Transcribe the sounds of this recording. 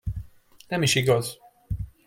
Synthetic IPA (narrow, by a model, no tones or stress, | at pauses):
nɛmiʃiɡɒz